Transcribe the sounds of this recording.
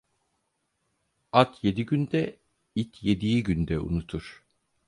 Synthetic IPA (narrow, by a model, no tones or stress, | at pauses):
at̪ʰje̞d̪iɟynd̪ɛ | it̪ʰje̞d̪ijiɟynd̪ɛṵnut̪ʰuɾ̥